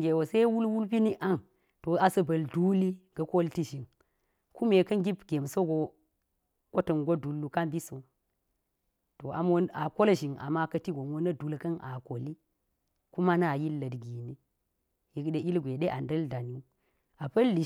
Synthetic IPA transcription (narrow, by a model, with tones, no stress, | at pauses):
ɡʲe˨wo˨se˦wu˦lwu˦lpi˦ni˦ʔa˦ŋ | to˨a˨sɐ˨bɐ˨ldu˦li˦ɡ̥ɐ˦ko˦lti˦ʒi˨ŋ | ku˦me˨kɐ˦nɡi˦bɡʲe˨mso˦ɡo˨ | ko˦tɐ˨nɡo˦du˨lːu˨ka˦mbi˦so˨ | to˨a̰˨mwo˦na˨ko˦lʒi˨ŋa̰˨ma˦kɐ˦ti˦ɡo˨mwo˦nɐ˦du˨lkɐ˦nʔa̰˨ko˨li˦ | ku˦ma˦na˦˨ji˦lːɐ˨dɡi˨ni˦ | ji˨kɗe˨ʔi˦lɡʷe˨ɗe˦ʔa˨ndɐ˦lda˨n˦u˦ | a˨pɐ˦lːi˨